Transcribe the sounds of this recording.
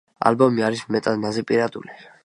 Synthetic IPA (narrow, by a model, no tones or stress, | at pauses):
a̰lbɔmiaɾismɛt̪ʼad̪nazɛpʼiɾad̪ṵli